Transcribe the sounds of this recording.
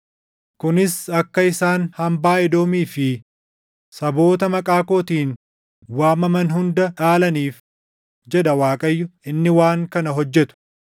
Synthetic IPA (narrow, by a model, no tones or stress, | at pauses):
kʊnɪsɐkːɐɪsaːnhɐmbaːɪd̪o̞ːmiːfɪ | sɐbo̞ːt̪ɐmɐkʼaːko̞ːt̪iːn | waːmːɐmɐnɦʊnd̪ɐᶑaːlɐniːf | d͡ʒɛd̪ɐwaːkʼɐjːʊɪnːɪwaːŋkɐnɐɦɔd͡ʒːɛt̪ʊ̥